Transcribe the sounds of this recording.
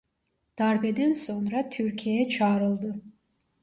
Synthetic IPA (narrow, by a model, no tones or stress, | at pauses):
d̪̥aɾbɛd̪ænso̞nɾat̪ʰyɾcʲʰiejɛt͡ʃʰaːɾɯlˠd̪ɯ